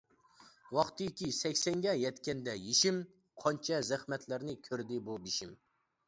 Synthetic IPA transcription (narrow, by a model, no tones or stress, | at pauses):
wɑχt̪ɪkʲisɛkʲsɛŋɡʲɛjɛt̪kʲɛnd̪ɛjeʃim | qʰɑnt͡ʃʰɛzæχmɛt̪ʰlɪɾnɪkʲʰøɾd̪ɪbubiʃim